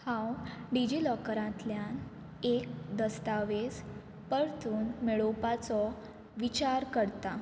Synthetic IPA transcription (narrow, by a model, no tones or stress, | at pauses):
hãwɖid͡ʑilɔkɾãt̪ljan | ek̚d̪əst̪aʋes | pəɾt̪uːnmeɭopat͡sɔ | ʋit͡ɕaɾkəɽt̪a